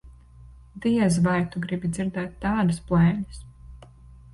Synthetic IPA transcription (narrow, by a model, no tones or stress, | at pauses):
d̪iɛzvajt̪uɡɾibʲid̪z̥ʲiɾd̪ɛːt̪ːɑːd̪ɐspuɛːlɐs